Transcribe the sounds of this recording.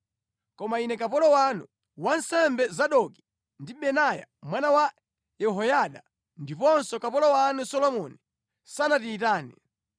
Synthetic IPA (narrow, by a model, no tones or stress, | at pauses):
kɔmainɛkapɔlɔwanu | wansɛmbɛzaɗɔki̥ | ndiɓɛnaja̰mwanawa | jɛɦɔjaɗa | ndipɔnsɔkapɔlɔwanusɔlɔmɔni | sanatiːt̬aːni